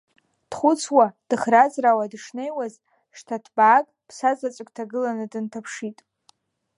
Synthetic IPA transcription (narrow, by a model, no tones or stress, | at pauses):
d̥χʷʊt͡sʰwad̥ɨχrazrawadʂnejwaz | ʂtʰatʰbaːkʼpʰsazat͡sʷʼɨkʼtʰaɡɨlanɨdɨntʰapʰʂitʼ